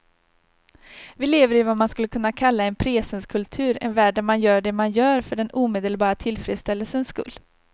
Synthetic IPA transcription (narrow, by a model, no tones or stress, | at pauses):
vɪleːvəɾɪvamanskɵlːəkʰɵnːakʰalːaɛnpʰɾeːsənskʰɵlt̪ʰʉ̟ːɾɛ̰nvæːɖamanjœːɖɛmanjœːɾfœɖɛnuːmeːd̪əlbɑːɾat̪ʰɪlfɾḛːd̪st̪ɛlːəlsənskɵ̰lː